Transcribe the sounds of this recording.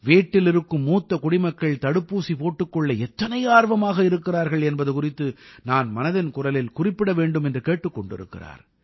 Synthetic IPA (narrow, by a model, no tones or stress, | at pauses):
ʋiːʈːɪlɪɾɯkːɯmːuːt̪ːɐkʊɽɪmɐkːɐɭt̪ɐɽɯpːuːsipoːʈːɯkːɔɭːɐɛt̪ːɐnɐjaːɾʋɐmaːɣɐɪɾɯkːɪraːɾɣɐɭɛnbɐðɯkʊrɪt̪ːɯnaːnmɐnɐðɪnkʊrɐlɪlkʊrɪpːɪɽɐʋeːɳɖɯmɛndrɯkeːʈːɯkːɔɳɖɪ̰ɾɯ̰kːɪ̰ra̰ːɾ